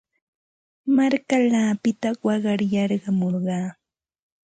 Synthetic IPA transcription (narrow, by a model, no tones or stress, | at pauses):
maɾkalaːpɪt̪awɑɢɑɾjɑɾɢɑmoɾɢɑː